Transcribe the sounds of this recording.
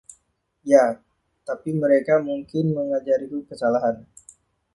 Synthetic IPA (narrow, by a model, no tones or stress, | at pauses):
ja | t̪apiməɾekamuŋkɪnməŋad͡ʒaɾik̪ukəsalaɦan